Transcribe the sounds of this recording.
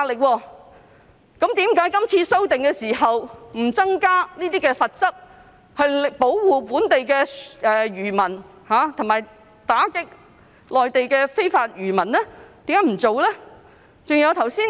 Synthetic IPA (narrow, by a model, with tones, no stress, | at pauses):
aː˧lɪ˨k̚wɔː˧ | kɐ˨˥mt̪iː˨˥mkaː˨˥jkɐ˥mt͡sʰiː˧so˥wt̪ɪ˨ŋkɛː˧siː˨˩ɦɐ˨wm̩˨˩t͡sɐ˥ŋkaː˥niː˥t̪iː˥kɛː˧fɐ˨t̚t͡sɐ˥k̚ | hɵ˧ɥpo˨˥wwuː˨˧puː˨˥nt̪e˨jkɛː˧ʔɛː˨ɥyː˨˩mɐ˨˩n | haː˨˧˦t̪ʰʊ˨˩ŋmaː˨j | t̪aː˨˥kɪ˥k̚ | lɔː˨jt̪e˨jkɛː˧fe˥jfaː˧t̚ɥyː˨˩mɐ˨˩nlɛː˥t̪iː˨˥mkaː˨˥m̩˨˩t͡so˨wlɛː˥ | t͡sʊ˨ŋjɐ˨˧wt̪ʰɐ˨˩wsiː˥n